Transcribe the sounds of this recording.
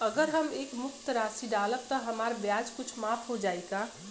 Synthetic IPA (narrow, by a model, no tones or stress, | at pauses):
əɡəɾɦəmeːkmʊk̚t̪ɾasiɖalək̚t̪əɦəmaɾbjad͡ʒkʊt͡ʃʰmapʰɦod͡ʒajka